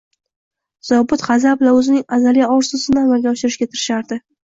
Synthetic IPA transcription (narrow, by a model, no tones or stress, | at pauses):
z̥ɒbʊt̪χɑzablaɵzɪnɪŋazalijaɒɾsʊzɪnɪamalɡʲaɒʃɪɾɪʃkʲat̪ʰɪɾɪʃaɾd̪ɪ